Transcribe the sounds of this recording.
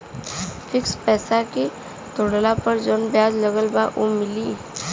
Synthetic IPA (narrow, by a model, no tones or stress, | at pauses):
fʰɪkspɛːsake | t̪ʊɽlapəɾd͡ʒonbjaːd͡ʒləɡəlbaʔomɪliː